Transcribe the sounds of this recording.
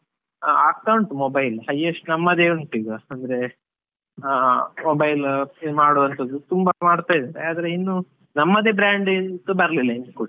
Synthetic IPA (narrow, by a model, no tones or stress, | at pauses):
akːɐwɳʈmoːbɐjlhɐjːɐʂʈunɐmːɐd̪eːuɳʈiːɡɐɐnd̪ɐɾe̞ | moːbɐjlmaːɽuʋɐnt̪ʰɐd̪ːut̪umbɐmaːɽt̪aːjd̪ɐɾeaːd̪ɐɾeinːu | nɐmːɐd̪eːbɾaːɳɖk̪ubɐɾɐlilːɐinkuɽ